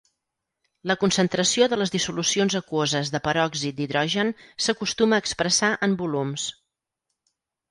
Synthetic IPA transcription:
ləkunsənt̪ɾəsioðələzðisulusionzəkuozəzðəpəɾɔɡzit̪̚d̪iðɾɔʒənsəkust̪uməːkspɾəsaʔəmbulums

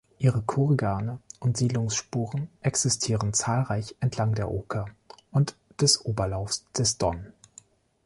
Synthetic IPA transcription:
ʔiːʁəkʰuʁɡaːnəʔʊntz̥iːdlʊŋsʃpuːʁənʔɛksɪstʰiːʁənt͡saːlʁaɪçʔɛntʰlaŋdeːɐʔoːkʰaʔʊntd̥ɛsʔoːbɐlaʊfsd̥ɛsd̥ɔn

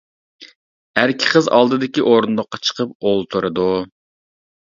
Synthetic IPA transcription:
æɾkʲʰɪ̥qʰəzɑ̰lˠd̪ɨd̪ɪkʲiʔoɾund̪ʊχqːɑt͡ʃʰə̥qʰəp̚olˠt̪ʰuɾɨd̪u

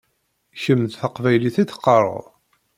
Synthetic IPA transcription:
çəmːðθəqvæjliθiθqːɑɾˤə̰ð

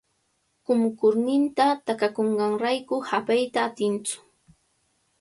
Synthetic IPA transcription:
kʊmkʊɾnɪnt̪at̪akakoɴɢɑŋɾajkʊhapajt̪aːt̪ɪnt͡sʊ̥

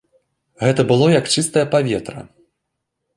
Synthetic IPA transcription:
ɣɛt̪ɐbɨlˠɔjɐkt͡ʂɨst̪ɐjɐpavʲɛt̪ɾɐ̰

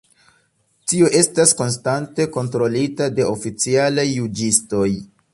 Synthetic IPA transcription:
tioʔe̞stasko̞nstante̞ko̞ntɾo̞litade̞ʔofit͡sialajːud͡ʒisto̞j

